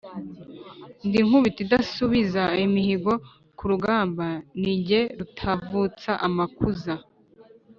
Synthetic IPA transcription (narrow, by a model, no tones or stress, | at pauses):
ndiŋ̥huβitidasuβizaimihiɡo̞ | kuɾuɡaːmbaniɟe̞ɾutʰavut͡saʔamakuza